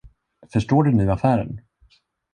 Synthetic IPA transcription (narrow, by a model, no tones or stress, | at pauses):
fœʂʈoːɖɵniːafæːɾə̰n